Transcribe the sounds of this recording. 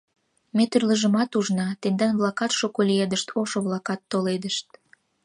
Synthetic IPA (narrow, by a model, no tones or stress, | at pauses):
met̪yrləʒə̆mɑt̪uʒnɑt̪end̪ɑnβlɑkɑt̪ʃokolʲied̪əʃt̪ʰoʃoβlɑkɑt̪ːoled̪əʃt̪̚